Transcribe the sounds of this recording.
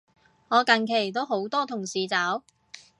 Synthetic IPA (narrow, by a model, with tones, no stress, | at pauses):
ŋɔː˨˧kɐ˨nkʰe˨˩jt̪̬o˥wɦo˨˥wt̪ɔː˥t̪ʰʊ˨˩ŋsiː˨˧t͡sɐː˨˥w